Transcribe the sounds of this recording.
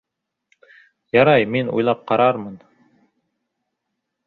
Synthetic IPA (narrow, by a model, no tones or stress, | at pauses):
jɑɾɑjminṵjlˠɑp̚qɑɾɑɾmɤn